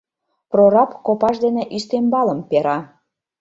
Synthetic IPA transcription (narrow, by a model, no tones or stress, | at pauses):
proɾɑpkopɑʃd̪enĕʔyst̪embɑləmpeɾɑ